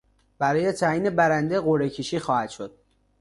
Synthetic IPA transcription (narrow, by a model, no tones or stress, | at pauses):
b̥æɾɒːjet̪ʰæːiːnebæɾænd̪eɣoɾecʰiʃiːxɒːhæd̪̥ʃod̪̥̚